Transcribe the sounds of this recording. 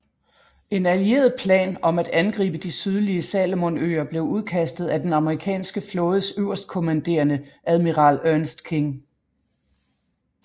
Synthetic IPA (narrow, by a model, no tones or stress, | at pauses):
ʔe̝nælie̝̰ːɐð̩ˠpʰlɛ̰ːnɒ̽mæd̥ænɡ̥ʁḭːb̥əd̥isyð̞ˠliəsɛlmonø̰ːɐb̥le̝ʊuð̞ˠkʰæsd̥ð̞̩ˠæd̥enɑ̈məʁikʰɛ̰ːnsɡ̥əflɔ̽ːð̞ˠəsøʊ̰ɐsd̥̚kʰo̝mænd̥e̝̰ːɐnəʔæðˠmiʁɑ̈ːløɐnəsd̥kʰe̝ŋ